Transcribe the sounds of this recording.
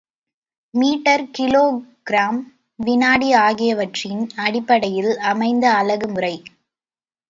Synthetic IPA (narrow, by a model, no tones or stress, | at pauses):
miːʈːɐɾkɪloːɡɾaːm | ʋɪnaːɽiaːɣɪjɐʋɐʈrɪnɐɽɪpːɐɽɐjɪlɐmɐɪnd̪ɐːlɐɣɯmʊrɐɪ